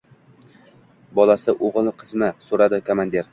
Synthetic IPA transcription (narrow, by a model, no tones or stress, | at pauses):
bɒlˠasɪʔoʁlˠqʰɨzmɪsoɾad̪ɪkʰomand̪ʲeɾ